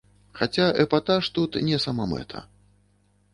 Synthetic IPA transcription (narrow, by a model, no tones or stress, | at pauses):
xat͡sʲaʔɛpat̪aʂt̪ut̪nʲɛsamamɛ̰t̪ʰɐ̰